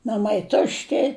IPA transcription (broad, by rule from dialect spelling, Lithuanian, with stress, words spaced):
nɐˈmɐɪ ˈtʊʃʲtʲɪ